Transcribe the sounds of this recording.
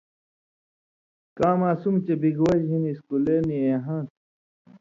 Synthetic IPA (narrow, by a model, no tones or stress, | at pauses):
kãːmaːsumt͡ɕebiɡwɐʑɦiniskuleːnieːɦãːt̪